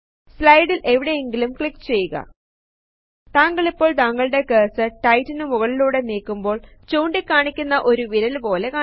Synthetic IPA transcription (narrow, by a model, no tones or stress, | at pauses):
slɐjɽilʔe̞ʋiɽe̞jeŋɡilumkɭikːt͡ɕe̞jːuɣɐ̰ | t̪aːŋɡɐɭipːo̞ːɭt̪aːŋːɐɭɨɽe̞ke̞ːsɨʈɐjtːinɨmuɣɐɭiluːɽe̞niːkːumbo̞ːɭt͡ɕuːɳɖikːaːɳikʲːunːɐʔo̞ɾuʋiɾɐlpo̞ːle̞kaː